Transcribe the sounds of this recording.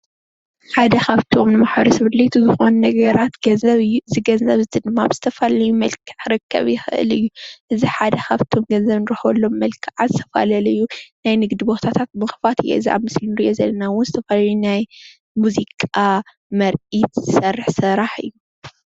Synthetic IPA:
ħad̪ɐxaβt̪ʰo̞mnɨmaħbɐɾisɨβɨd̪let̪ʰuzɨxo̞nnɐɡɐɾat̪ɡɐzziɡɐnzɐβzɨt̪ʰɨd̪ɨmːabz̥ɨt̪ʰɐfalɐlɐjːumɐlkʰɨ̥ʕɾɨkʰːɐ̰βjɪxɨʔɨ̰lɨjːuʔɨziħad̪ɐxaβt̪ʰo̞mɡɐnzɐβnɨɾħolːo̞mːɐlkʰɨʕazɨt̪ʰɐfa̰lɐlɐjːunajnɨɡd̪ibot̪ʰat̪ʰat̪̚mɨxfat̪ʰijḛɨziʔa̰βmɨslinɨɾiʔo̞zɐlːɐnawʊnzɨt̪ʰɐfalaɐlunaj | muzikʼa | mɐɾʔit̪zɨsɐrːɨħsɨɾaħɨ̰jːu

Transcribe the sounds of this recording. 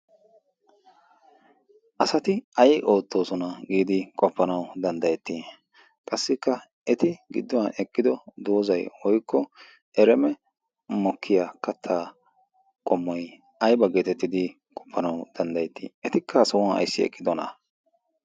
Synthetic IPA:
ʔɐsɐt̪ɪɐjʔo̞ːt̪ːo̞ːsɔnɐɡiːd̪ɪkʼɔpːɐnɐwd̪ɐnd̪ɐjɛt̪ːi | kʼɐsːɪkːɐ | ɛt̪ɪɡɪ̰d̪ːɔwɐnɛkʼːɪd̪ɔd̪oːzɐjwɔjkʰːɔ | ɛɾɛmɛ | mɔkʰːɪjakɐt̪ʰːaː | kʼɔmːɔj | ɐjbɐɡeːt̪ɛt̪ːɪd̪ɪ | kʼɔ̥pːɐnɐwd̪̥ɐnd̪ɐjɛt̪ːḭɛt̪ɪkʰːɐːsɐwɐnɐ̰jsːɪɛ̰kʼːɪd̪ɔnɐ̰

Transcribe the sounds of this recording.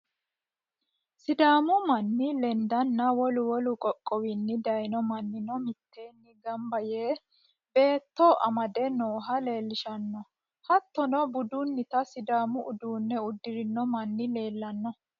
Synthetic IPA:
sɪd̪aːmʊmɐnːɪlɛnd̪ɐnːɐwɔlʊwɔlʊkʼɔkʼːɔwɪnːɪd̪ɐjnɔmɐnːɪnɔmɪt̪ʰːe̞ːnːɪɡɐmbɐjeː | be̞ːt̪ːɔʔɐmɐd̪ɛnoːɦɐle̞ːlːɪʃɐnːɔ | hɐt̪ːɔnɔbʊd̪unːɪt̪ɐsɪd̪aːmʊʔʊd̪uːnːɛʊd̪ːɪɾɪnːɔmɐnːɪle̞ːlːɐnːɔ

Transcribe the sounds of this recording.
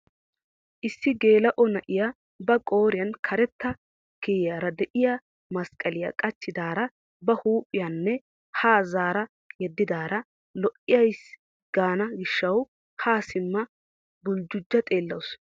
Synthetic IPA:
ʔɪsːɪɡe̞ːlɐʔɔnɐʔɪja | bɐkʼo̞ːɾɪjɐnkʰɐɾɛt̪ːɐ | keːjaːɾɐd̪ɛʔɪja | mɐskʼːɐlɪjɐ̰kʼɐt͡ʃːɪd̪aːɾɐ | bɐhuːpʼːɪjɐnːɛ | haːzaːɾɐ | jɛd̪ːɪd̪aːɾɐ | lɔʔɪjɐjs | ɡ̥aːnɐɡɪʃːɐw | haːsɪmːɐ | bʊld͡ʒʊd͡ʒːɐt̪ʼeːlːɐwʊs

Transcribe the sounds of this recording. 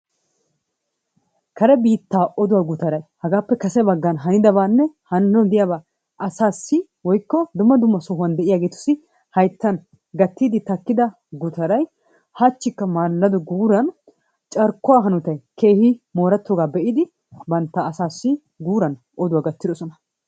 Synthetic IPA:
kɐɾɛbiːt̪ːaːʔɔd̪ʊwaːɡʊt̪ɐɾɐjhɐɡaːpːɛkɐsɛbɐɡːɐnɦɐnɪd̪ɐbaːnːɛhɐnnɔd̪ɪjabaː | ʔɐsaːsːɪ | wɔjkːɔd̪ʊmːɐd̪ʊmːɐsɔɦʊɐnd̪ɛʔɪjaːɡe̞ːt̪ʊ̥sːɪ | hɐjt̪ːɐn | ɡɐt̪ːiːd̪ɪt̪ɐkːɪd̪ɐ | ɡʊt̪ɐɾɐj | hɐt͡ʃːɪkːɐmaːlːɐd̪ɔɡuːɾɐn | t͡ʃʼɐɾkːʊwaːɦɐnʊt̪ɐjke̞ːhɪmo̞ːɾɐt̪ːoːɡaːbɛʔɪd̪ɪ | bɐnt̪ːaːsaːsːɪ | ɡuːɾɐn | ʔɔd̪ʊwaːɡɐt̪ːɪd̪ɔsɔnɐ

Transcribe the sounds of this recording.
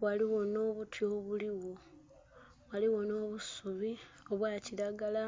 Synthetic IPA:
waliɣo̞no̞ːβutʰjo̞ːβuliwo̞ | waliwo̞no̞ːβusuβi | o̞βwaːciɾaɡala

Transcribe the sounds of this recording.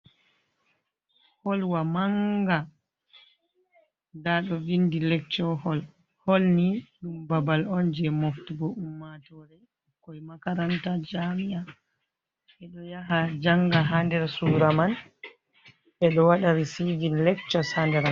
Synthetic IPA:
hɔlwamaŋɡa | daɗɔvindilɛk̚t͡ʃɔhɔl | holniɗumbabalɔnd͡ʒɛmoftiɡɔʔumːatɔɾɛ | kɔjmakaɾantad͡ʒamiʔa | ɓɛɗɔjaɦad͡ʒaŋɡaɦandɛɾsuːɾaman | ɓɛɗɔwaɗaɾisiɡinlɛk̚t͡ʃɔsandɛɾa

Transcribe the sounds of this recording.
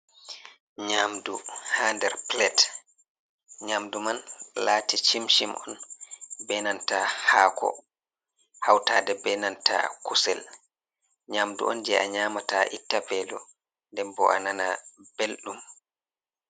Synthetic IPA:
ɲaːmduhandɛɾplɛt | ɲamdumanlaːtit͡ʃimʃimʔɔnbɛnantahaːkʰɔ̰ | hawtaːdɛbɛnantʰa̰kusɛl | ɲaːmdṵʔɔ̰nd͡ʒɛʔaɲaːmataʔitːapɛːlɔ̰ | ndɛmbɔʔa̰nanab̥elɗum

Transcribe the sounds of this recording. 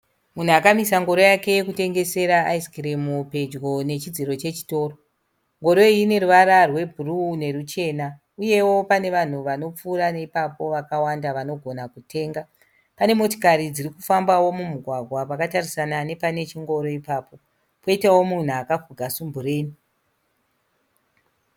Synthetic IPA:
mun̤uakamisaŋɡo̞ɾo̞jake̞jekute̞ŋɡe̞se̞ɾaːiskiɾemupe̞d͡ʒɡo̞ne̞t͡ʃid͡ziɾo̞t͡ʃe̞t͡ʃi̥to̞ːro | ŋɡo̞ɾo̞ine̞ruʋaɾarwe̞bʱurune̞ɾut͡ʃe̞ːna | uje̞wo̞pane̞ʋan̤uʋano̞p͡fuːɾaneipapo̞ʋakawandaʋano̞ɡʱo̞nakutʰe̞ːŋɡa | pane̞mo̞to̥kaɾid͡ziɾikufambawo̞mumuɡʱwaɡʱwapakatarisanane̞pane̞t͡ʃiŋɡo̞ɾo̞ipaːpo̞ | po̞itawo̞mun̤uakafuɡʱasumbure̞ːni

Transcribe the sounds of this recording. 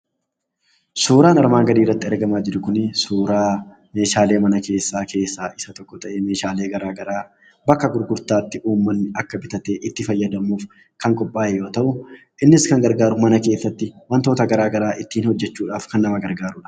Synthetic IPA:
suːɾaːnɐɾmaːŋɡɐd̪iːrːɐt̪ːɪɛɾɡɐmaːd͡ʒɪɾʊkʊnɪsuːɾaː | me̞ːʃaːle̞ːmɐnɐke̞ːsːaːkʰe̞ːsːaːʔɪsɐt̪ɔkːɔt̪ɐʔeme̞ːʃaːle̞ːɡɐɾaːɡɐɾaː | bɐkːɐɡʊɾɡʊɾt̪aːt̪ːɪʔuːmːɐnːɪɐkːɐbɪt̪ɐt̪eːʔɪt̪ːɪfɐjːɐd̪ɐmuːf | kɐŋkʼɔpʼːaːjɛjo̞ːt̪ɐʔʊ | ʔɪnːɪskɐŋɡɐɾɡaːɾʊmɐnɐke̞ːsːɐt̪ːɪmɐnt̪o̞ːt̪ɐɡɐɾaːɡɐɾaːʔɪt̪ːiːnhɔd͡ʒːɛt͡ʃːuːᶑaːfkɐnːɐmɐɡɐɾɡaːɾʊᶑɐ̥

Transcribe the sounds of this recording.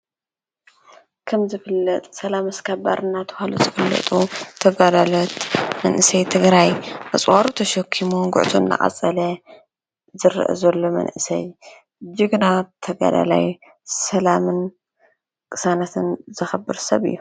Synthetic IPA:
kʰɐmzɨfɨlːɐt̪ʼsɐlamɐskʰaba̰ɾʔɨnːat̪ʰɨ̥haluzɨfɨlːɐ̰t̪ʼut̪ʰɐɡalalot̪mɐnʔɨsɐjt̪ʰɨɡɾajʔat͡sʼwaɾut̪ʰɐʃɐkʰːimuɡʊ̰ʕt̪ʰunːa̰χʼɐ̰t͡sʼːɐlɐ | zɨɾ̰ʔɨ̰zɐlːomɐ̰nʔɨsɐ̰j | d͡ʒiɡɨnat̪ʰɐɡa̰d̪a̰la̰j | sɐlamɨn | kʼɨsanat̪ʰɨnzɨxɐbɨɾsɐβɨ̰jːu

